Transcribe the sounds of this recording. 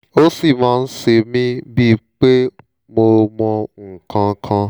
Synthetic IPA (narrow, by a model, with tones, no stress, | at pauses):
o˦si˦˨mãː˦˧n̩˦se˧mĩ˦bi˦k͡pe˦ | mo˧mɔ̃˧ŋ̩˨kã˧kʰã˧